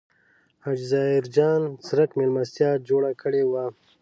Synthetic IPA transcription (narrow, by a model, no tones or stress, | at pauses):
had͡ʒzɑːɪɾd͡ʒɑːnsɾakmelmast̪jɑːd͡ʒoɽakʰəɽewa